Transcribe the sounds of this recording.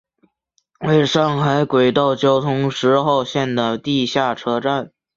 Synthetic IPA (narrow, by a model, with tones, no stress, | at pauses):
we˥˧ɪʂɑ˥˩ŋxa˧˥ɪkwe˨˩ɪt̪ɑ˥˩ʊt͡ɕjo˥ʊt̪ʰʊ˧˥ŋʂɻ̩˧˥xo˥˧ʊɕjɛ˥˩nd̪ə˩t̪i˥˧ɕja˥˩ʈ͡ʂʰɤ˥ʈ͡ʂa˥˩n